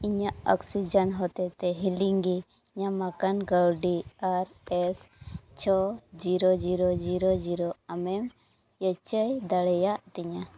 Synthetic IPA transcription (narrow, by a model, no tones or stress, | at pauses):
iɲaʔɔksid͡ʒanɦɔt̪ɛt̪ɛɦiliŋɡi | ɲamakanɡawɖiaɾ | ɛst͡ʃʰɔd͡ʒiɾɔd͡ʒiɾɔd͡ʒiɾɔd͡ʒiɾɔamɛm | jət͡ʃəjd̪aɽɛjaʔt̪iɲa